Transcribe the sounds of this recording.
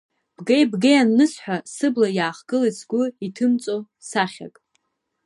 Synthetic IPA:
b̥ɡejbɡejanːɨsħʷᶣasɨblajaːχɡ̥ɨlit͡sʰɡʷʊitʰɨmt͡sʼo | saχʲa̰kʼ

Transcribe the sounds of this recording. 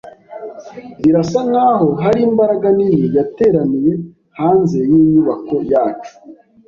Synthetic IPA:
iɾasaŋaːɦo̞ɦaɾiːmbaɾaɡanijijate̞ːɾanije̞ | haːnze̞jiːɲuβako̞jaːt͡ʃu̥

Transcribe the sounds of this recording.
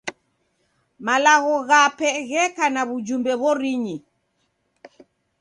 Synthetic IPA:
malaɣɔɣapɛɣɛkanaβud͡ʒumbɛβɔɾiɲi

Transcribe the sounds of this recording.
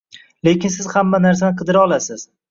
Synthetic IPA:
lekʲɪnsɪzhamːanaɾsanɪqʰɨd̪ɪɾaɒlˠasɪz

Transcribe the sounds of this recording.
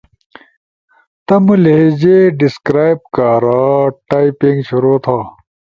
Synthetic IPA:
t̪ɐmuleed͡ʑeɖiskɾaːjb̚kaːɾaʈaːipiŋɡɕuɾoːt̪ʰaː

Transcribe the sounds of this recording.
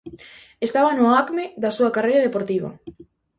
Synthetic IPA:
est̪aβɐnʊakmeðɐsuɐkarejɾɐðepoɾt̪iβɐ̰

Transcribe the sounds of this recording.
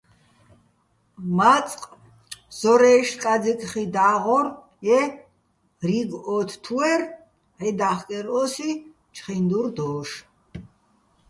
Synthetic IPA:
mat͡sʼqʼ | z̥ɔɾɛːʃkʼad͡zikʼχid̪aːʁɔɾ | jɛ | riɡɔt̪ʰt̪ʰuɛɾ | ʕid̪aχkʼɛɾɔsi | t͡ʃʰʼχind̪uɾd̪ɔːʃ

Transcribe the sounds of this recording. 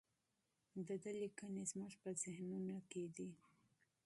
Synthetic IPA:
d̪əd̪əlikənezməʐpəzɪhnunaked̪i

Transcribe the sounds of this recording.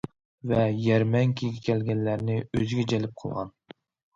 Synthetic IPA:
vɛjæɾmɛŋkʲʰiɡʲɛkʲʰɛlɡʲɛnlæɾnɪøzɪɡʲɛd͡ʒɛlɪp̚qʰəlˠʁɑ̰n

